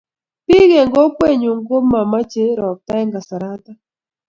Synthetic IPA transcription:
pɪ˦ɡe˨ŋɡɔ˦kwe˦˨ɲo˨ŋɡo˦ma˨ma˦t͡ʃe˦ɾɔ˨k̚ta˦ɛ˦ŋɡa˨sa˨ɾa˦ta˦

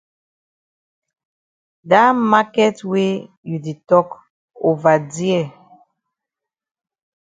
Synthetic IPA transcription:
da˦ma˦kɛ˦twe˦ | ju˨de˨tɔ˦k | o˨va˨di˦ɛ˨

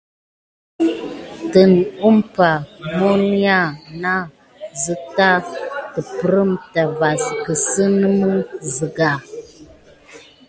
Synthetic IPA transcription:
tə˨n˨u˦mpa˨mo˦li˦ja˦˨na˦ | zə˦ta˦tə˨pə˨˦ɾə˦mta˨va˨skə˨sə˦nə˦mə˦zi˨ɡa˨

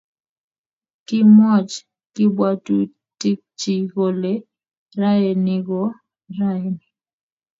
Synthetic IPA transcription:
kɪ˦mɔ˦˨t͡ʃ | kɪ˦bwa˦tu˦ | ti˦k̚t͡ʃi˨ɣo˨le˨˦ | ɾa˦e˨ni˦ɣɔ˦ | ɾa˦˨ni˨

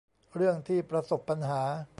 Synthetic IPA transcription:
ɾɯ˥˩əŋt̪ʰiː˥˩pɾa˧so˨˩pːa˧nɦaː˩˦

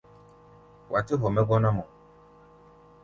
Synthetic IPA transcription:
wa˨t̪e˦ɦɔ˨mɛ˦ɡɔ˦nã˦mɔ˨

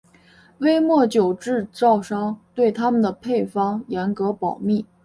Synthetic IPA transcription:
we˥ɪmwɔ˥˩t͡ɕjo˨˩ʊʈ͡ʂɻ̩˥˧t͡sɑ˥˩ʊʂɑ˥ŋt̪we˥˩ɪt̪ʰa˥mə˨nd̪ə˩pʰe˥˩ɪfɑ˥ŋjɛ˧˥nkɤ˧˥pɑ˨˩ʊmi˥˩

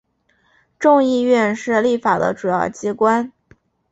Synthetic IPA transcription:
ʈ͡ʂʊ˥˧ŋi˥˧ɥɛ˥˧nʂɻ̩˥˧li˥˩fa˨˩d̪ə̰˦ʈ͡ʂu˨˩jɑ˥˩ʊt͡ɕi˥kwa˥n

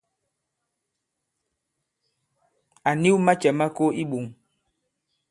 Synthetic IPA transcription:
a˨ni˦wma˦t͡ʃɛ˨ma˦ko˦ʔi˦ɓu˨ŋ

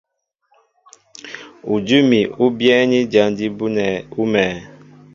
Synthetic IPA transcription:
u˨d͡ʒu˦mi˨u˦bjɛ˦ni˦d͡ʒa˨˦n˦di˦bu˦nɛ˨u˦mɛː˨

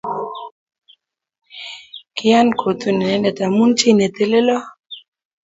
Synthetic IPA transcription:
kɪ˦a˦nkʰo˨t̪u˦nɛ˨nɛ˦nɛ˨ta˨mu˦nt͡ʃi˦ne˨t̪e˦˨le˦lɔ˦

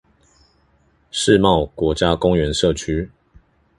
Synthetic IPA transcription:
ʂɻ̩˥˨mɑ˥˨ʊkwɔ˨˥t͡ɕja˦kʊ˦ŋɥɛ˧˦nʂɤ˥˨t͡ɕʰy˥

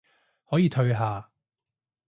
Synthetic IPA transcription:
hɔː˨˥jiː˨˧t̪ʰɵ˧ɥɦaː˨˧

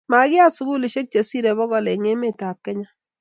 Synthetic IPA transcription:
ma˨ɡɪ˦a˦su˦ɡu˦li˨ʃe˦k̚t͡ʃe˨si˦ɾe˨bɔ˦ɣɔ˨le˨ŋe˦me˦˨ta˨p̚kɛ˦ɲa˦

